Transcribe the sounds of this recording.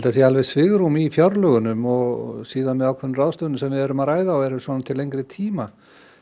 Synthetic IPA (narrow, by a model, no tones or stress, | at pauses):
lt̪aθjɛalvɛðsvɪɣɾumifjɔɾlœɣʏnʏmɔɣsiːðanmɛðawkʰɛnraːðst̪œnɪmsɛmvɪðɛːɾʏmaðɾaːjðaɔɛɾʏsvɔːnat̪ʰɪlejŋkɾɪt̪ʰiːma